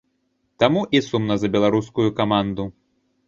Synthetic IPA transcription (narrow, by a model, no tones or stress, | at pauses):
t̪amuʔisumnɐzɐbʲɛlˠaɾuskujukamand̪u